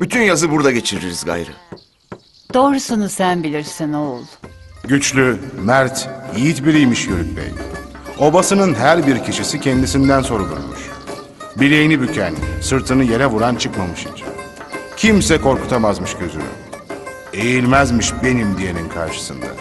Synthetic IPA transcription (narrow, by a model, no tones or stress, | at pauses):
b̥yt̪ʰynjazɯbuɾd̪aɟe̞t͡ʃʰiɾiɾizɡa̰jɾɯ̰ | d̪̥oːɾusunuz̥sænbilʲiɾsinolˠɟyt͡ʃlʲymæɾt̪ʰijit̪biɾijmiʃjøɾyt̪̚bɛ̰j | o̞basɯnɯnɦæɾbiɾcʰiʃisicʰɛnd̪isind̪ænso̞ɾub̪ˠṵɾmṵʃ | bilʲejinibycʰænsɯɾt̪ʰɯnɯje̞ɾɛvuɾant͡ʃʰɯkmamɯʃḭt͡ʃʰḭn | cʰimsɛkʰo̞ɾku̥t̪ʰamazmɯʃɟø̞zy̰lʲy̰m | e̞jilʲmæzmiʃbe̞nimd̪ije̞ninkʰaɾʃɯ̥sɯnd̪a̰